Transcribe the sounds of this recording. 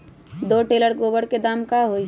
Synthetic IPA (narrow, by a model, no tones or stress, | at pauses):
d̪oːʈeːləɾɡoːbəɽked̪aːmkaɦoːi